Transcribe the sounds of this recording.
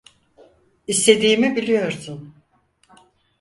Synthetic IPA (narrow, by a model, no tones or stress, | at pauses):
ist̪ʰe̞d̪iːmibilʲijo̞ɾsʊn